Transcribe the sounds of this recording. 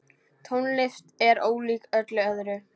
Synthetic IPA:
t̪ʰownlɪft̪ɛɾoːwliːkœt̪lɪœðɾʏ

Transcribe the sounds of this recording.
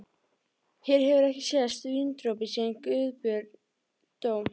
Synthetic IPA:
hɛɾ̥hɛvʏɾɛhcɪsjɛðast̪viːnt̪ɾowp̬ɪsɛðnkʏːðpʏɾ | t̪oːw

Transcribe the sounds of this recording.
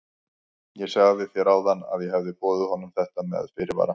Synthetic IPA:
jɛsaɣðɪfjɛɾawðanːa̰ðjɛɦɛvðɪpɔːðʏhɔnʏmθɛht̪amɛ̰ða̰ðfɪːɾɪva̰ːɾa

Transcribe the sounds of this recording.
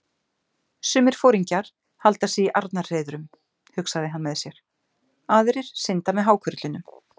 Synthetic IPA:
sʏːmɪɾ̥foːwɾiɲcaɾ̥ | halt̪asiiʔaɾt̪nḁr̥eːjðʏɾʏm | hʏksaðɪɦanmɛðsjɛɾ̥ | aːðʏɾɪɾ̥sɪnt̪amɛðɦaːwkʰœɾt̪lʏnʏm

